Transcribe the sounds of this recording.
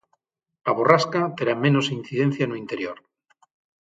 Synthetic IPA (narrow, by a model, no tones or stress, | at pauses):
laβoraskat̪e̞ɾamẽ̞no̞sin̟θiðẽ̞n̟θjanuint̪e̞ɾjoɾ